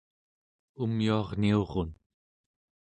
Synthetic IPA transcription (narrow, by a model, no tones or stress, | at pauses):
umjuɑʁnio̞ʁon